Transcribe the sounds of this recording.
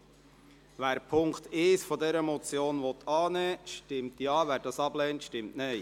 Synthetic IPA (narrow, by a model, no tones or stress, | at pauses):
væːɾpʰʊŋkteːsfɔdɛɾəmɔt͡sjoːnvɔt̪ɑːnɛːʃtɪmtjɑːvæːɾdɑsɑb̥lɛːntʃtɪmtneɪ